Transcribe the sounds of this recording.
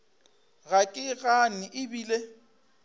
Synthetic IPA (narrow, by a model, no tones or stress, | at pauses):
ɣakʼɪɣanɪʔɪbiːle